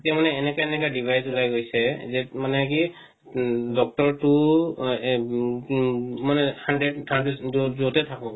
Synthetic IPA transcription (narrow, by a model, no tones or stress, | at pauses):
tiamanɛːnɛkaɛnɛk̬adibʱajzulajɡojsɛzɛmanɛki | dɔk̚tɔɹtu | manɛhandɹɛdhandɛzuzutɛtʰakɔ̃